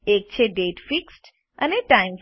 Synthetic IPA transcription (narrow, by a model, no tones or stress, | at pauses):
eːk̚t͡ɕʰeɖeːʈfiksʈ | əneʈaɪmf